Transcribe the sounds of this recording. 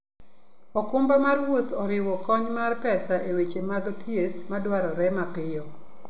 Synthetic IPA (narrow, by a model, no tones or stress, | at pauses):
ɔkʊmbamarwot̪ɔɾɪwɔkɔɲmarpɛsaʔewet͡ʃemad̪ɔtʰjet̪madwaɾɔɾɛmapɪjɔ